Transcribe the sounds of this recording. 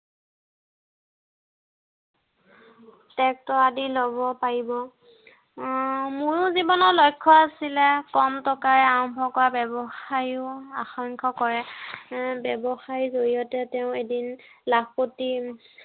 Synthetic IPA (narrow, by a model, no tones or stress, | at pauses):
tɛk̚tɔadilobɔpaɹibɔ | muɹʊzibɔnɔɹlɔjkʰːɔasilɛkɔmtɔkaɹɛaɹɔmbʱɔkɔɹabɛbɔxajjʊa̰xaŋkʰɔkɔɹɛ | bɛbɔxaɹizoɹijɔtɛtɛʊ̃edinlakpoti